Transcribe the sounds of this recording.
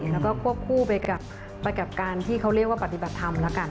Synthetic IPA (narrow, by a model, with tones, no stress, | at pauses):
lɛ˦˥kɔː˥˩kʰu˥˩əp̚kʰuː˥˩pa˧jka˨˩p̚ː | a˧jka˨˩p̚kaː˧nt̪ʰiː˥˩kʰa˦˥wɾi˥˩ək̚waː˥˩pa˨˩t̪i˨˩ba˨˩t̪ʰːa˧mlɛ˦˥ka˧n